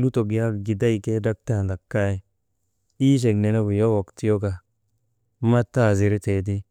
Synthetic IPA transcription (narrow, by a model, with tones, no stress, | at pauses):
lu˦to˨ɡi˨ja˦˨ɡi˨da˦i˨ke˦da˦k̚ta˦˨nda˨kːa˦˨ | i˦ʃ̬e˨ɡne˨ne˦ɡu˨jo˦wo˨kti˦jo˦ka˨ | ma˦tːa˦˨zi˨ɾe˦te˨t̬i˦